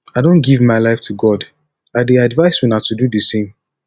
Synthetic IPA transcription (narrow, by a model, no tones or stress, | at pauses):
aɪdõnɡivmaɪlaɪftʰuɡɔd | aɪdeadvaɪswinatʰududəsẽm